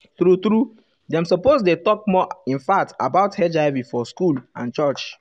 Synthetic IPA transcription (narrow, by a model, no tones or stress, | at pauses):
t̪ɾut̪ɾu | dãmsɔposdetɔk̚mɔĩnfak̚ta̰baʊthɛd͡ʒaɪvifɔskulã̰nt͡ʃɔt͡ʃ